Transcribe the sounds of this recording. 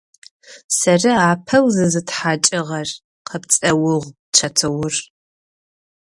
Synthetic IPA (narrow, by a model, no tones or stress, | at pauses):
sɐrɨaːpʰɐwzɨzɨtħaːt͡ʃʼɪʁɐr | qʰɐpt͡sʼɐwʊʁʷ | t͡ʃʰɐtʰɨwʊr